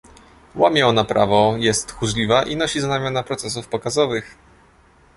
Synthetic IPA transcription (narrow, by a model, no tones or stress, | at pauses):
wamʲɛɔnapɾʔavɔjɛst̪xuʐlʲivaʔinɔɕizanamʲjanapɾɔt̪sɛs̬ufpɔkazɔvɘx